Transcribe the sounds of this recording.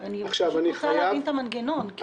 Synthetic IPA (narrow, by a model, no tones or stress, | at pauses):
aniaχʃavaniχajajaavint̪amanɡenonk